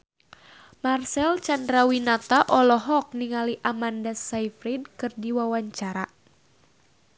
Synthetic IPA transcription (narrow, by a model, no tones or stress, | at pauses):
marsɛlt͡ʃandɾawinat̪aʔɔlɔɦɔk̚niŋaliʔamandasajfɾid̚kɨrdiwawaɲt͡ʃaɾa